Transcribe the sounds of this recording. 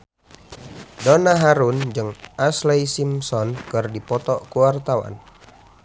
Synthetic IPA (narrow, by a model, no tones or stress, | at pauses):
dɔnaɦaɾund͡ʒɨŋʔaslɛjsimsɔnkɨrdipɔt̪ɔʔkuwart̪awa̰n